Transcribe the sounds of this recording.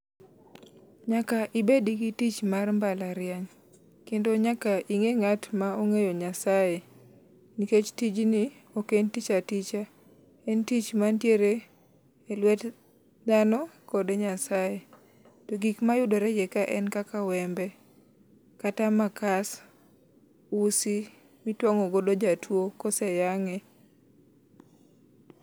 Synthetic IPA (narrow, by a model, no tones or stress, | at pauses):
ɲakaʔibediɡitit͡ʃmarmbalaɾɪaɲ | kendoɲakaʔiŋeŋatmaoŋejoɲasaje | niket͡ʃtid͡ʒniokentit͡ʃatit͡ʃa | ɛntit͡ʃmantjeɾeː | lwɛt | d̪anɔkɔdeɲasaje | tɔɡikmajʊdɔɾɛjɛkaʔɛnkakawɛmbɛ | katamakas | usi | mitwɔŋɔɡodod͡ʒatʰwokɔsɛjaŋe